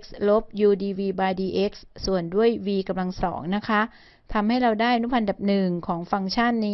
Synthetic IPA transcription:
k̚slo˦˥p̚juː˧diː˧wiː˧baː˧jdiː˧ʔe˦˥k̚ssu˨˩əndu˥˩əjwiː˧ka˧mla˧ŋsɔ̰ː˩˦ŋna˦˥kʰa˦˥ | t̪ʰa˧mha˥˩jɾa˧wdaː˥˩jʔa˧nu˦˥pʰa˧nda˨˩p̚nɯ˨˩ŋkʰɔː˩˦ŋfa˧ŋt͡ɕʰa˥˩nːiː˦˥

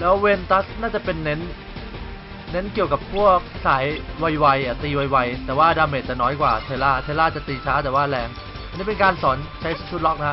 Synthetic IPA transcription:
lɛː˦˥wwe˧nt̪a˦˥snaː˥˩t͡ɕa˨˩pe˧nːe˦˥n | e˦˥nki˨˩əwka˨˩pʰu˥˩ək̚saː˩˦jwa˧jwa˧jʔa˨˩t̪iː˧wa˧jwa˧jt̪ɛː˨˩waː˥˩daː˧meː˨˩t̪̚t͡ɕa˨˩nɔː˦˥jkwaː˨˩t̪ʰeː˧laː˥˩t̪ʰeː˧laː˥˩t͡ɕa˨˩ʔt̪iː˧t͡ɕʰaː˦˥t̪̬ɛː˨˩waː˥˩lɛː˧ŋ | a˨niː˦˥˩pe˧nkaː˧nsɔː˩˦nt͡ɕʰa˦˥jt͡ɕʰu˦˥t̪̚lɔ˦˥k̚na˧kʰa˦˥

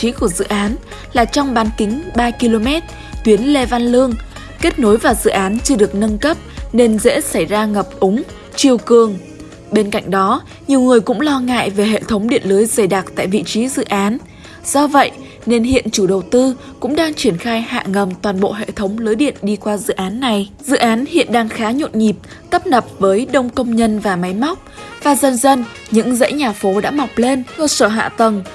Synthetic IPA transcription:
i˨˦ku˧˩əzɨ̰˧˨ʔaː˨˦n | laː˨˩t͡ɕɔ˧wŋ͡mɓaː˨˦nkï˨˦ŋ̟ɓaː˧ki˧lo˧mɛ˦˥t̚ | t̪wi˨˦ənle˧va˧nlɨ˧əŋ | ke˦˥t̚no˨˦jvaː˨˩wzɨ̰˧˨ʔaː˨˦nt͡ɕɨ˧əɗɨ˨˩ək̚nə˧nkə˦˥p̚ne˧nzḛ˧˥sa˧˩jzaː˧ŋə˨˩p̚ʔʊ˨˦ŋ͡m | t͡ɕi˨˩əwkɨ˨˩əŋ | ɓe˧nka̰˧˨jŋ̟ɗɔ˨˦ | ɲi˨˩əwŋɨ˨˩əjkʊ̰˧˥ŋ͡mlɔ˧ŋa̰ː˧˨jve˨˩ɦḛ˧˨t̪ʰə˨˦wŋ͡mɗḭ˧˨ənləː˨˦jzə˧˩jɗaː˨˩k̚t̪a̰ː˧˨jvḭ˧˨t͡ɕi˨˦zɨ̰˧˨ʔaː˨˦n | z̥ɔ˧və̰˧˨jʔ | ne˧nɦḭ˧˨ənt͡ɕu˧˩ɗə˨˩wt̪ɨ˧ | kʊ̰˧˥ŋ͡mɗaː˧ŋt͡ɕi˧˩ənxaː˧jha̰ː˧˨ŋə˨˩mt̪waː˨˩nɓo̰˧˨ɦḛ˧˨t̪ʰə˨˦wŋ͡mlɨː˨˦jɗḭ˧˨ənɗi˧kwaː˧zɨ̰˧˨ʔaː˨˦nːa˨˩jzɨ̰˧˨ʔaː˨˦nhḭ˧˨ənɗaː˧ŋxaː˨˦ɲo̰˧˨nɲi˨˩p̚ | t̪ə˦˥p̚nə˨˩p̚vəː˨˦jɗə˧wŋ͡mkə˧wŋ͡mɲə˧nvaː˨˩ma˨˦jma˦˥wk͡p̚vaː˨˩zə˧nzə˧n | ɲɨ̰˧˥ŋzə̰˧˥jɲaː˨˩fo˨˦ɗa̰ː˧˥ma˨˩wk͡p̚le˧nkə˧səː˧˩ɦa̰ː˧˨t̪ə˨˩ŋ

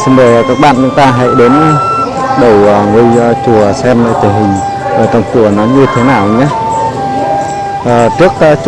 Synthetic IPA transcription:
sɨ˧ŋvəː˨˩jkaː˦˥k̚ɓa̰ː˧˨nt͡ɕʊ˨˦ŋ͡mt̪aː˧ɦa̰˧˨jɗe˨˦n˨˧ | ɗə˨˩wə˨˩ŋɨ˧˩ə˨jt͡ɕu˨˩əsɛ˧mləː˧˩t̪ʰi˨˩ɦï˨˩ŋ̟ | ʔəː˧˩t̪ɔ˧˩wŋ͡mku˧˩ənɔ˨˦ɲɨ˧t̪ʰe˨˦naː˨˩wɲa˨˦ | əː˨˩t͡ɕɨ˦˥ək̚ə˨˧t͡ɕ

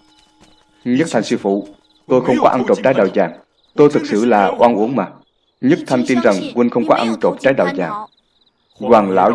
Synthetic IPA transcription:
ɲə˦˥t̚t̪ʰa˨˩ŋsi˧fṵ˧˩˨ | t̪o˧jxə˧wŋ͡mkɔ˨˦ʔə˧nt͡ɕo˨˩p̚t͡ɕaː˨˦jɗaː˨˩wzaː˨˩ŋ | t̪o˧jt̪ʰɨ˨˩k̚sɨ̰˧˨laː˨˩ʔwaː˧nʔu˧˦əŋmaː˨˩ | ɲ˦˥t̚t̪ʰa˧jŋ̟t̪i˧nza˨˩ŋkwi˧nxə˧wŋ͡mkɔ˨˦ʔə˧nt͡ɕo˨˩p̚t͡ɕaː˨˦jɗa˨˩wzaː˨˩ŋ | zwaː˨˩ŋla̰ː˧˩w

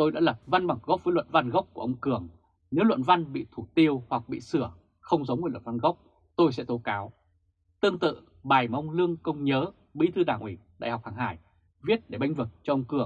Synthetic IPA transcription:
t̪o˧jɗa̰ː˧˥lə˨˩p̚va˧nɓa˨˩ŋɣɔ˦˥k͡p̚vəː˨˦lwə̰˧˨nva˧nɣa˦˥wk͡p̚ku˧˩ʔə˧wŋ͡mkɨ˧˩əŋ | ne˨˦wlə̰˧˨nva˧nɓḭ˧˨t̪ʰu˧˩t̪i˧əwhwa˨˩k̚ɓḭ˧˨sɨ˧˩ə | xə˧wŋ͡mzə˨˦wəː˧˩lə̰˧˨nva˧nɣə˦˥k͡p̚ | t̪o˧jsɛ̰˧˥t̪o˨˦kaː˨˦w | t̪ɨ˧əŋt̪ɨ̰˧˨ | ɓaː˨˩jma˧wŋ͡mlɨ˧əŋkə˧wŋ͡mɲəː˨˦ | ɓḭ˧˥t̪ʰɨ˧ɗaː˧˩ŋʔwi˨˦˩ɗa̰ː˧˨jhɔ˨˩wk͡p̚haː˨˩ŋha̰ː˧˩j | vi˦˥t̚ɗe˧˩ɓa˧jŋ̟vɨ˨˩t̚t͡ɕɔ˧ʔə˧wŋ͡mkɨ˧˩əŋ

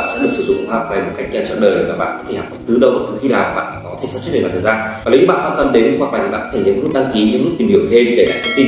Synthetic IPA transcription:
a̰ː˧˨nsɛ̰˧˥ɗɨ˨˩əksɨ˧˩zʊ̰˧˨ŋ͡mkːhaː˨˩p̚vaː˨˩jmo˨˩t̚ka˦˥jk̚zaː˧˩t͡ɕɔ̰˧˨nɗəː˨˩jvaː˨˩ɓa̰ː˧˨nkɔ˨˦t̪ʰe˧˩ha̰ː˨˩kə˨˧˦t̪ɨ˨˦ɗə˧˩wʔəː˨˩t̪ɨ˨˦xi˧naː˨˩wa˨˩ɓa̰ː˧˨nː˧˩kɔ˨˦t̪ʰsaː˦˥t͡ɕ̚ɗə˨˩˨aː˨˩t̪ʰːzaː˧a˨˩ljɨː˨˦ɓ̰aː˧˨kwaː˧nt̪ə˧mɗe˨˦nkɨ̰˧˥ŋ͡mha˨˩kla̰ː˧˨t̪ʰi˨˩ɓ̰aː˧˨kɔ˨˦t̪e˧˩ɨ̰˧˨˦k̚ːɗa˧ŋki˨˦ɲɨ̰˧˥ŋmɨ˦˥t̪whi˧˩əwt̪ʰe˧mɗe˧˩ka̰ː˧˩t̪ʰə˨˦mi˧

